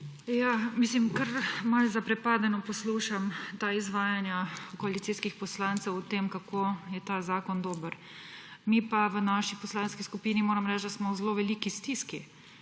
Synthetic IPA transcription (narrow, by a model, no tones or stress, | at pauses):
jamislimkɐɾmalzapɾɛpaːd̪nɛnɔpɔsluːʃamt̪aizʋaːjanjakɔalit̪siskixpɔslaːnt̪sɛwʊt̪eːmkakʰoːjɛt̪azaːkɔnd̪oːbəɾ | miːpaʋənaʃipɔslanskiskupiːnimoːɾamɾɛt͡ʃd̪asmɔwzloʋɛliːkist̪iski